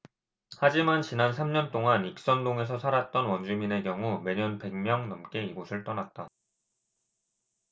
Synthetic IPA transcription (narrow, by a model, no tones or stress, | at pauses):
had͡ʑimant͡ɕinansʰamɲʌnt͈oŋanik̚s͈ʌndoŋe̞s̬ʰʌsʰaɾat̚t͈ʌnwʌnd͡ʑumine̞kjʌŋume̞ɲʌnpe̞ŋmjʌŋnʌmk͈e̞iɡosʰɯɭt͈ʌnat̚t͈a